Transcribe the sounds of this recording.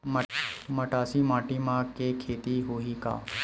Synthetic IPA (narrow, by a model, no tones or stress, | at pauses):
məmɐʈaːsimaːʈimãɡkekʰeːt̪iɦuika̰ː